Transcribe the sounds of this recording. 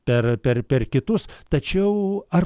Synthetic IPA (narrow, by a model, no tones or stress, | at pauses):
pʲɛrpʲɛrpʲɛrkʲɪt̪ʊst̪ɐt͡ʃʲɛʊɐr